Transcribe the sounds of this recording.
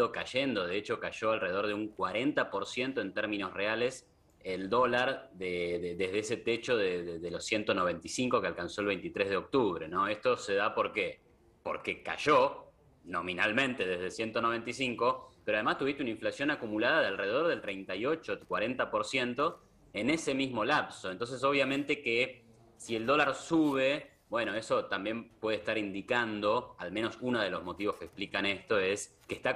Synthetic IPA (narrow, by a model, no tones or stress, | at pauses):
okaʒend̪o̞ðeet͡ʃo̞kaʒoalre̞ðeo̞ɾðeuŋkwaɾe̞nt̪apo̞ɾsje̞nt̪o̞e̞nt̪eɾmĩno̞sreales | eld̪o̞laɾðeðeðeɦðeeset̪et͡ʃo̞ðeðeðelosje̞nt̪o̞no̞β̞e̞nt̪isiŋko̞kealkanso̞elβejnt̪it̪ɾezðeo̞k̚t̪uβɾeno̞est̪o̞se̞ðapo̞ɾke | poɾkeka̰ʒo | nominalmẽ̞nt̪e̞ðezðesje̞nt̪ono̞βe̞nt̪isiŋko̞peɾoað̞emast̪uβist̪eunaiɱflasjo̞nakumulaðaðealreeðoɾð̞e̞lt̪ɾejnt̪ajo̞t͡ʃokwaɾe̞nt̪apo̞ɾsje̞nt̪o̞ | ene̞se̞mizmo̞lapsont̪ons̬es̬o̞β̞jamẽnt̪e̞ke | sield̪o̞laɾsuβe | bwe̞noe̞so̞t̪ambje̞mpwe̞ð̞est̪aɾind̪ikand̪o̞almeno̞sunoð̞e̞lo̞zmo̞t̪iβo̞skeksplikanest̪o̞es | kest̪a